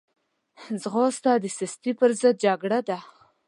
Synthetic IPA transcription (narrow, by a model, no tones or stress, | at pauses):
zɣost̪ɑd̪əsɪst̪ipəɾzəd̪̚d͡ʒaɡɽad̪a